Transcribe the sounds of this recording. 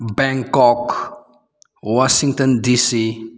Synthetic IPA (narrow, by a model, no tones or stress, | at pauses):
bɛ̃ŋkɔk | wɔʃiŋtɔ̃ndisi